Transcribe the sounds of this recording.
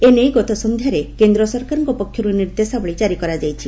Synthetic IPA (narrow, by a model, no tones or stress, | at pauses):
enejɡɔt̪ʰɔsɔnd̪ʱjaɾekend̪ɾɔsɔɾkaɾɔŋkɔpɔkʰjɔɾuniɾd̪esabɔɭid͡ʒaɾikɔɾad͡ʒajt͡ʃʰi